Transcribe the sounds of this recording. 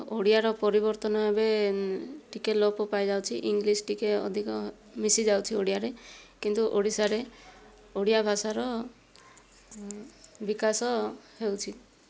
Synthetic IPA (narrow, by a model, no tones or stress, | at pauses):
oɽijaɾɔpɔɾibɔɾt̪ɔnɔbabe | ʈikelopɔpajd͡ʒawt͡ʃʰiʔiŋɡlisʈikeɔ̰d̪ʱikɔ | misid͡ʒawt͡ʃʰioɽijaɾekint̪uʔoɽisaɾe | oɽijabʱasaɾɔ | bikasɔhewt͡ʃʰi